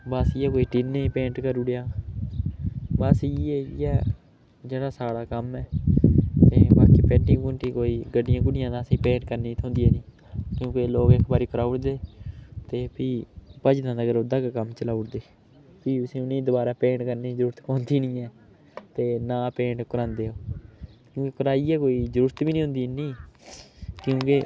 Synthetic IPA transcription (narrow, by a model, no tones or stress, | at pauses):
bəsijɛːkoːiːʈinːeːpẽːɳʈkəɾʊɽejaː | basːeːjɛː | d͡ʒeːɽaːsaːɽaːkəmɛː | t̪eːbaːkiːpɛ̃ːʈĩːkʊɳʈiːkoːiːɡəɖɪjãːkʊɽɪjãːd̪ãːəsĩːpẽːɳʈkəɾniːt̪ʰõːnd̪ijɛːnĩː | kjõːkeloːɡekʰbaːɾiːkɾaːʊɽd̪eːt̪eːpiːpəd͡ʒd̪ãːnəɡəɾoːd̪əɡkəmt͡ʃəlaːʊɽd̪eː | p̪iːəsĩːʊniːd̪ʊbaːɾaːpẽːɳkəɾniːzəɾuːɾət̪kõːnd̪iːnĩːɛː | t̪eːnãːpeːɳɖkəɾãːnd̪eːoːkjõːkekəɾaːiːɛːkoːiːzəɾuːɾət̪biːnĩːɦʊ̃nd̪iːnĩː | kjõːkeː